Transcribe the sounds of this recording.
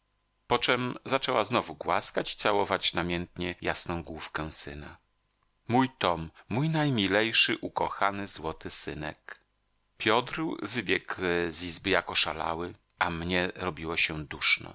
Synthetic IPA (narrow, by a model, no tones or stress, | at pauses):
pɔt͡ʂɛmzat͡ʂɛwaznɔvuɡwaskat͡ɕi̥t̪sawɔvat͡ɕnamʲjɛnt̪ɲɛjasnɔ̃w̃ɡwufkɛw̃sɘna̰ | mujt̪ɔmːujnajmʲilɛjʂɘʔukɔxanɘzwɔt̪ɘsɘnɛ̰k | pʲjɔd̪ɾvɘbʲjɛɡzizbɘjakɔʂa̰la̰wɘ | ʔamɲɛɾɔbʲiwɔɕɛd̪uʂnɔ̰